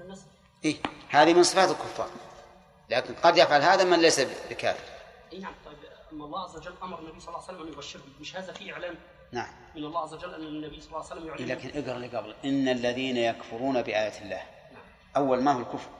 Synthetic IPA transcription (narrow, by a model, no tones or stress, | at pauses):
asˤ | ʔiːhaːðimɪnsˤɨfaːt̪ɪlkʊfːɑ̰ːɾˤ | laːkɪnqɑd̪jafʕalhaːðamanlajsabbɪka̰ːfɪɾ | ʔjnaʕmt̪ˤɑjbʔamːaɑlˤːɑːʔazːawad͡ʒalːʔamɑɾˤɑnːabijsˤɑlːɑːwsalːamʔanjʊbaʃːɪɾhʊmɪʃhaːðafiʔɪʕlaːm | naʕam | mɪnɑlˤːɑːhʕazːawad͡ʒalːʔanːnːabɪjːsˤɑlːsalːamjʊʕlaːkɪnʔɪɡɾˤɑliɡablʔɪnːalːaðiːnajakfʊɾˤuːnabɪʔaːjaːɪlːa̰ːh | ʔawːalmaːhʊlkʊfɾˤ